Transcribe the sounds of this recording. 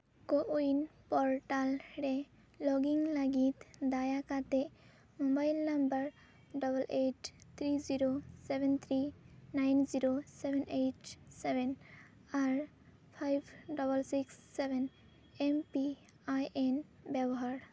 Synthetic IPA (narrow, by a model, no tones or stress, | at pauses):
koʔuinpɔɹʈalɾe | lɔɡiŋlaɡit̪d̪ajakat̪e | mobajlnambəɹ | ɖɔbəlʔeʈt̪ʰɾiziɾosebent̪ʰɾinajnziɾosebʱenejʈseben | aɹ | pʰajbɖɔbəlsiksːeben | empi | ajen | bɛbɔɦaɾ